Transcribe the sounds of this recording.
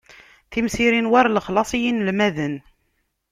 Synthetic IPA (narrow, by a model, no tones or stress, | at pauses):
θimsiɾinwaɾləχlɑsˤijinlmæðən